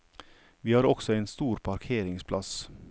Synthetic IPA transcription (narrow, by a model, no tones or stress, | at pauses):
ʋiːhɑːɾɔksɔeːnst̪uːɾpʰɑɾkʰeːɾɪŋspʰlɑs